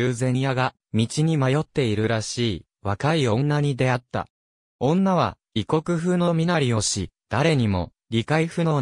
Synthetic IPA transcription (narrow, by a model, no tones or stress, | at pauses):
ɯːzẽ̞ɰ̃jaɡa | mʲit͡ɕiɲ̟imajo̞t̪ːe̞iɾɯ̟ɾaɕiː | βakaiõ̞nːaɲ̟id̪e̞at̪ːa̰ | õ̞nːaβ̞a̰ | iko̞kɯ̟ɸɯ̟no̞mʲinaɾʲio̞ɕid̪̥aɾe̞ɲ̟imo̞̰ | ɾʲikaiɸɯ̟no̞